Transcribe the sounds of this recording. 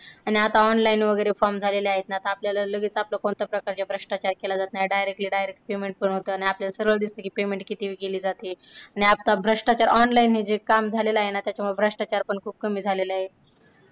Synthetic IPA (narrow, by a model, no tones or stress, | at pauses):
aniat̪aɔnlajnʋəɡəjɾefɔɾmd͡zʱaleleaɦet̪nat̪aːpljalaləɡʱiːt͡sapləkoɳt̪əpɾəkaɾt͡ɕjabʱɾəʂʈat͡ɕaɾkelad͡zat̪naɦeɖajɾek̚ʈliːɖajɾek̚ʈ̚pemeɳʈ̚pəɳɦot̪əːañiapljalasəɾʋəɭd̪ist̪əkiːpemeɳʈkit̪iʋiːkeliːd͡zat̪iːañiap̚t̪abʱɾəʂʈat͡ɕaɾʔɔnlainɦid͡ʑekamd͡zʱaleləaɦenat̪jat͡ɕjamuebʱɾəʂʈat͡ɕaɾpəɳkʰuːb̚kəmiːd͡zʱalelaɦe